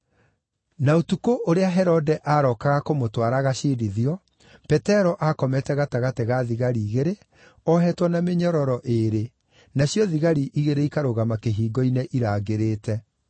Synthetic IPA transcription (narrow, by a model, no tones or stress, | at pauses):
naotukoʔoɾeaɦɛɾɔdɛʔaɾɔkaɣakomotwaɾaɣaʃiːɾiðiɔ | pɛtɛɾɔʔakɔmɛtɛɣataɣatɛɣaðiɣaɾiːɣeɾe | ɔɦɛtwɔnameɲɔɾɔɾɔʔeɾe | naɕjɔðiɣaɾiʔiɣeɾeikaɾoɣamakeɦiːɡɔineʔiɾaːɣeɾeːtɛ